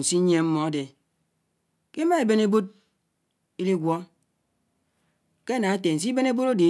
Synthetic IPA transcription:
n̩˨si˦ɲe˦m̩˦mɔ˨a˦de˨ | ke˦ma˦e˨be˦ne˦bo˦d̚ | i˦li˦ɡʷɔ˦ | ke˦˨na˨e˦te˨n̩˨si˦be˦ne˦bo˦ɾo˦di˨

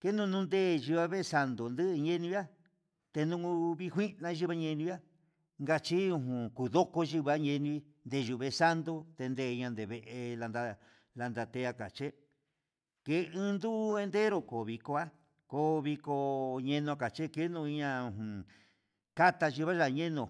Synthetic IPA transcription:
ke˦nũ˧nũ˦nd̪e˦˨ʒi˧βa˧βe˦˧sa˧nd̪o˨nd̪ɨ˦ʔɲẽ˦nĩ˧βja˦ | t̪e˧nũ˧˦˧βi˦˧hʷi˦nã˧ʒi˦βa˦˧ɲẽ˧nĩ˧ja˦ | ŋɡa˧t͡ʃi˦ũ˧ɦũ˨ku˨ðo˦ko˧ʒi˧βa˦ɲẽ˧nĩ˧i˦ | nd̪e˧˨ʒu˧˨βe˧sa˦nd̪o˧t̪e˧nd̪e˧˨˧ɲã˧nd̪e˨βe˨ʔe˧la˧nd̪a˧ | la˧nd̪a˧t̪e˧a˧ka˨t͡ʃe˦ | ke˧˦˧ɨ̃˦nd̪u˦e˧nd̪e˦ɾo˧ko˨βi˧ko˧a˦ | ko˧βi˧ko˧ɲẽ˧nõ˧a˧ka˨t͡ʃe˦ke˦nũ˧i˧ɲã˧ũ˧˨ɦũ˨ | ka˦t̪a˧ʒi˧βa˦ʒa˧˨˧ɲẽ˦nõ˨

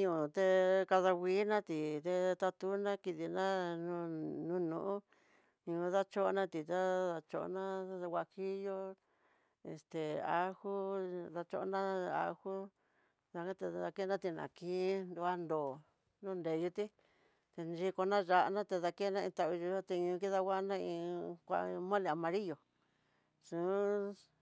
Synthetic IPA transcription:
ɲũ˨t̪e˧ka˧ða˧wʷiː˦nã˦t̪i˨t̪e˧t̪a˧t̪u˦nã˦ki˧ði˧nã˦nũ˧nũ˦nũ˧˨ʔũ˦ | ɲũ˧˦ða˦t͡ʃo˦˧nã˦t̪i˨t̪a˦ða˧t͡ʃo˧ʔo̰˧˦nã˦˧wʷa˧hi˦jo˦ | e˨st̪e˨a˦xu˦ða˧t͡ʃo˦ʔnã˦a̰˦˧hu˦ | ða˧kã˦t̪e˧ða˧ke˦nã˦t̪i˧nã̰˨kĩ˧˦nd̪u˧a˦nd̪oː˨ | nũ˦˧nd̪e˨˧ju˧t̪i˦ | t̪e˧nd͡ʒi˧ko˧nã˦ʒa˧˨ʔnã˦t̪e˧ða˧ke˦nã˦˧ĩ˧t̪a˧i˧ʒu˧jo˦t̪e˧ɲũ˧ki˦ða˦wa˦˧nã˦ĩ˧kʷa̰˧mõ˦lĩ˧˨a˨mã˧ɾi˦jo˨ | sũ˨˦

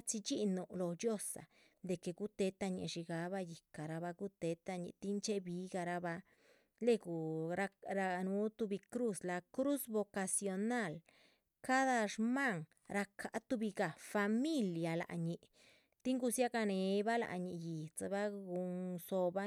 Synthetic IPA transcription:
t͡ʃi˧t͡ʃi˦nu˧lo˧d͡ʒjo˦sa̰˨ | d̪e˨ke˨ɡu˦t̪e˧t̪a˧ɲḭ˧ʃi˧ɡa˧˦ba˧ji˨ka˨ɾa˧βa˧ɡu˦t̪e˨˧˦t̪a˧ɲḭ˧t̪i˦nt͡ʃe˦bi˧˦ɡa˧ɾa˧ba˧ | le˦ɡu˨ɾa˧ɾa˧nu˨˧˦t̪u˧bi˧kɾu˦sla˧kɾu˦sbo˧ka˧sjo˧na˦˨l | ka˦d̪a˧ʂma˦˨ŋ | ɾa˧kʰa˨˦t̪u˧bi˧ɡa˨fa˧mi˦lja˨la̰˨ɲi˧ʔ | t̪i˦ŋɡu˧sja˦ɡa˧ne˨˧ba˦la̰˧˨ɲi˧ji˨t͡sa˧ba˦ɡu˧ŋso˧ba˦

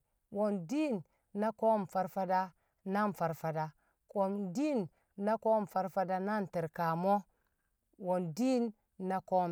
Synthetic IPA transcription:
wo˨ndi˦nː | a˦ko˦˨mfa˦ɾfa˦da˦ | na˦n˨fa˨ɾfa˨da˨ | ko˨mdi˦nː | a˦ko˦m˨fa˨˦ɾfa˦da˦na˦nte˨ɾka˨mo˦ | wo˨ndi˦nː | a˦ko˦m

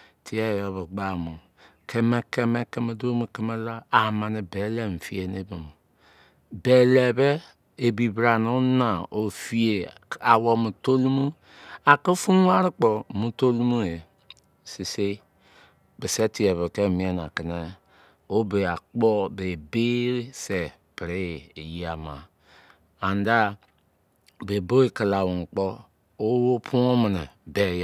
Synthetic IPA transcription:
tʰi˨e˦˨jo˦βe˨ɡ͡ba˦˨mo˨ | kʰe˦me˦ke˦me˦ke˦me˦do˦mu˨ke˦me˦la˦a˨ma˨ne˨be˨˦le˦m̩˨fi˦e˨ne˦be˨mu˨ | be˨le˨be˦ | e˨bi˨bɾa˨no˦na˨o˨fi˦e˨a˨wo˦mu˨to˦lu˦mu˦ | a˨ke˦fu˦n˦wa˦ɾi˦k͡po˨mu˦to˦lu˦mu˦e˨ | si˨se˦ | be˨se˦ti˨e˨βe˨ke˦˨mi˨˦e˦n˨a˨ki˨ne˦ | o˦be˨a˨k͡pɔ˦be˨be˦se˨ | pɾe˦˨e˨ji˨a˨ma˨ | a˨nda˦ | be˨bo˦e˨ki˨la˨wo˨ŋ˨k͡pɔ˦ | o˦wo˦pʰu˦o˦mi˨ne˨be˨j

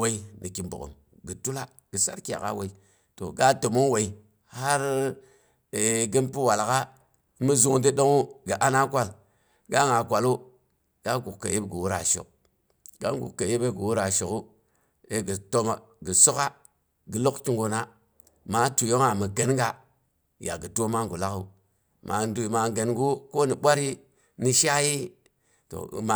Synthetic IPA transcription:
we˦i˦ni˨ki˨mbo̰˨ko̰˨m | ɡə˨tu˦la˦ | ɡ̥ə˨sa̰˦ɾki˦ja̰˨ka̰˦we˨i˦ | to̰˨ɡa˦to˨mo˦ŋ˦we˨i˨ | ha˦ɾ | e˨ɡi˦npi˦wa˨lka˦ | mə˦zu˦ŋ˦di˦ɗo˦ŋu˦ɡə˨ʔa˦na˦kʷa˦l | ɡa˦ŋa˨kʷa˨lu˦ | ɡ̥a˦ɡu˨kka̰˨ji˦bɡə˨wu˦ɾa̰˨ʃo̰˨k̚ | ɡ̥a̰˦ŋɡṵ˨kke˨ji˦be˦ɡi˨wu˦ɾa˨ʃo˨ku˦ | e˦ɡi˨to˦ma˨ | ɡi˨so˦ka˦ | ɡi˨lo˦kt͡ʃi˦ŋɡo˨na˦ | ma˨˦tu˨jo˦ŋa˨mi˨ɡe˨n˦ŋɡa˦ | ja̰˨ɡi˨to˦ma˦˨ɡu˨la˦ku˨ | mʔa̰˨n˦du˨ma˨ɡe˨nɡu˦ko˦ni˨ɓʷa˦ɾi˦ | ni˦ʃa˦ji˦ | to̰˨ma˨

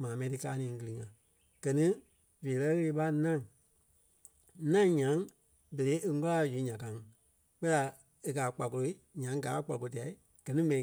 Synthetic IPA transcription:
mãː˨mɛ̃˧˦tɨ˧ka̰ː˧˦nĩː˨˦ɡɨ˧lɨ˧˨ŋã˨ | ɡ̥ɜ˨nĩ˦ | veː˨lɜ˦ɣə˦le˧˦ɓa˦nã˦˨ŋ | nã˦ɲã˨˦ŋ | be˨ɾe˨˦ʔe˧˦ŋɔ˦la˦˨zu˨˦ɲã˨kã˨˦ŋ˧ | k͡pɜ˦la˧ | e˧k̬aː˨k͡pa˨ko˧lo˧˦i˦ɲã˨˦ŋ˦ɡaː˨˦k͡pa˨ko˧o˧t̬i˨a˨i˦ | ɡ̥ɜ˨nĩ˦mɛ̃˧nĩ˨

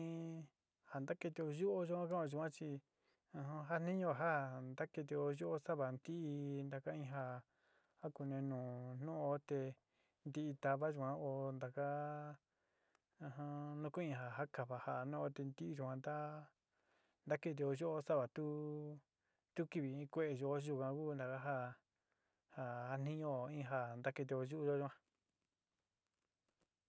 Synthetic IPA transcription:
ha˨nd̪a˦ke˧t̪e˧o˧ʒu˦ʔo˦ʒu˧kʷã˦ka˦õ˧ʒu˧˨ã˦t͡ʃi˧ | ã˧ɦã˧ɦa˦n̥ĩ˦ɲũ˧βa˨ɦa˦˨nd̪a˦ke˧t̪̬e˧o˧ʒu˦ʔo˦sa˦βa˨nd̪i˦ʔi˧nd̪a˧ka˦ĩ˧ɦa˧ | ha˦ku˧nẽ˧nũː˨n̥ũ˦o˧˦t̪e˧ | nd̪i˧ʔi˧t̪a˧βa˦ʒu˧˨kʷã˦o˧nd̪a˨ka˦ | ã˧ɦã˧nũ˦ku˦ĩ˧ɦa˨ɦa˦ka˨βa˧˨ha˧˨nõ˦o˧˦t̪e˧nd̪i˦ʔi˧ʒu˧kã˧nd̪a˦ | nd̪a˦ke˦˧t̪̬e˧o˧ʒo˦o˦sa˦βa˨t̪u˦ | t̪u˦ki˦˧βi˨ĩ˦kʷe˦ʔe˧ʒo˧o˦ʒu˧kã˧ku˦˧nd̪a˨ka˦ɦa˦˧ | ha˧ha˦n̥ĩ˦ɲõ˦o˧ĩ˦ɦa˧nd̪a˦ke˧t̪e˧o˧ʒu˦ʔu˦˧ʒo˦ʒu˧ã˧

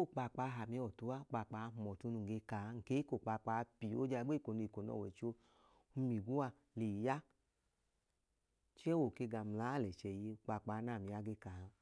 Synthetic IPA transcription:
o˦˨k͡pa˧˨k͡pa˧˦˧ɦa˨mi˨˧˦ɔ˨tu˨˧˦a˦˨k͡pa˧˨k͡pa˧˦˧mɔ˨tu˧nu˧˨ŋ˨ɡe˧ka˨˦ŋ̩˨ke˨˦i˦ko˨k͡pa˧˨k͡pa˧˦˧pi˨o̰˦d͡ʒa˧˨˦ɡ͡be˦˨ko˨nu˧i˨ko˨nɔ̰˧˨wɛ˨t͡ʃo˧ | u˧mi˨ɡu˦a˧˨ | le˨ja˦ | t͡ʃɛ˦wo˨ke˧ɡa˨m̩˨la˨˦˨lɛ˨t͡ʃɛ˨je˧u˧˨k͡pa˧˨k͡pa˨˦na˦˨mi˧a˦ɡe˧ka˨˦

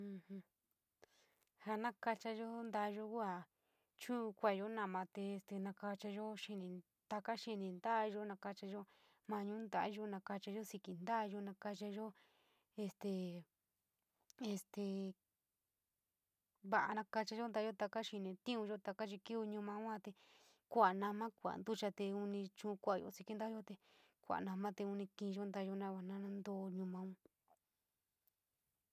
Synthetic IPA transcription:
ũ˧hũ˧ | ha˧nã˦ka˧t͡ʃa˧ʒo˦nd̪a˧ʒo˦ku˦a˨ | t͡ʃũ˦˧kʷa˧˨ʒo˦nã˧˨mã˧t̪e˧e˧st̪e˧nã˧ka˧t͡ʃa˧ʒo˦ʃi˧nĩ˧ | t̪a˧ka˦ʃi˧nĩ˨˧nd̪a˦˧ʒo˦nã˧ka˧t͡ʃa˧ʒo˦ | mã˧ɲũ˦nd̪a˧ʔa˦ʒo˧˦nã˧ka˧t͡ʃa˧ʒo˦si˧ki˧nd̪a˦˧ʒo˧nã˧ka˧t͡ʃa˧ʒo˦ | e˧st̪e˧˨ | e˧st̪e˧ | βa˧˨ʔa˧nã˧ka˧t͡ʃa˧ʒo˦nd̪a˧˦jo˦t̪a˧ka˦ʃi˧nẽ˨˧t̪ĩ˦ũ˧ʒo˦t̪a˧ka˦t͡ʃi˧ki˦u˧ɲũ˧mã˧ũ˦ã˧˦t̪e˧ | kʷa˨nã˧mã˦kʷa̰˨nd̪u˦t͡ʃa˧t̪e˧u˧nĩ˧t͡ʃũ˧kʷa˨jo̰˧˨si˧ki˦nd̪a˦jo˦t̪e˧ | kʷa̰˨nã˧mã˦t̪e˧u˧nĩ˧kĩ˧ʒo˦nd̪a˧˦˧ʒo˧˦nã˦βa˨nã˧nã˦nd̪o˧ɲũ˧mã˧ũ˦

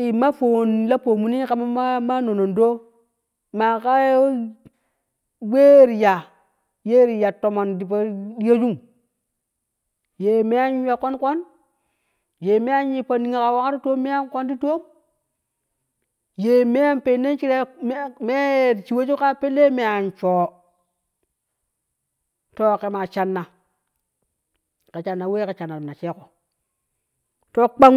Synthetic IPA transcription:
i˨ma˦fo˨nla˦po˨mu˨ni˦ka˨ma˦ma˦ma˦no˨no˨ndo˦ | ma˨ka˦ | we˦˨ɾi˨ja˨ | je˦ɾi˨ja˨to˨mo˨ndi˨pa˨di˦ja˦d͡ʒu˦m | je˨me˦ja˦ɲi˦ja˨ko˦nko˦n | je˨me˦ja˦ɲi˨pa˨ndi˨ŋa˨ka˨wa˦ŋa˦ɾi˦to˦mːe˦ja˦mko˦n˦di˦to˦m | je˨me˦a˦npe˨nːe˦nt͡ʃi˦ɾe˦m˦me˦˨t͡ʃi˨we˦t͡ʃu˦ka˦pe˦lːe˦me˨a˨nt͡ʃoː˨ | to˦ke˨ma˨t͡ʃa˨nːa˨ | ke˨t͡ʃa˨nːa˨we˦ke˨t͡ʃa˨nːa˨na˨t͡ʃe˦ko˨ | to˦k͡pa˦ŋ

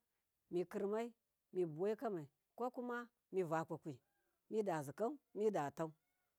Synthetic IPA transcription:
mi˨ki˨ɾma˦i˦ | mi˨bu˨wa˦i˦ka˦ma˨i˨ | ko˦ku˦ma˦ | mi˨va˨kʷa˨kʷi˨ | mi˦da˨zi˨ka˦u˦mi˦da˨ta˦u˦

